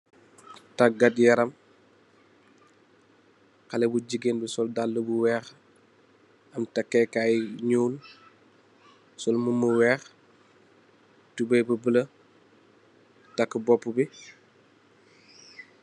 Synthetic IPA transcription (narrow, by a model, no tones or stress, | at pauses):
tɐk̚ɡɐtjɐɾɐm | xɐlɛbuɟiɡenbisɔldalːəbuwɛːx | ɐmtɐkːɛkajɲuːl | sɔlməməwɛːx | tubɛjbəbələ | tɐkːbɔpːubi